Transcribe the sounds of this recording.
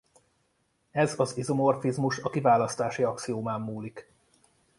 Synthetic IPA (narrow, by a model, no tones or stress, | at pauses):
ɛzɒzizomo̞rfizmuʃɒkivaːlɒst̪aːʃiɒkt̪sioːmaːmːuːlik